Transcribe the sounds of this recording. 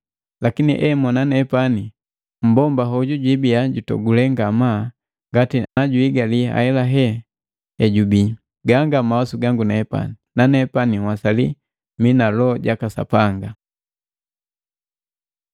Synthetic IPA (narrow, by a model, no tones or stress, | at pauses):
lakinḭʔɛmɔnanɛpani | m̩bɔmbaɦɔɟuɟibiaɟutɔ̰ɡulɛŋɡama | ŋɡatinaɟuiɡalia̰hɛlaɦɛ | ɛɟubi | ɡaŋɡamawasuɡaŋɡunaɛpa̰ninanɛpaniwasali | minalɔɟakasa̰paŋɡa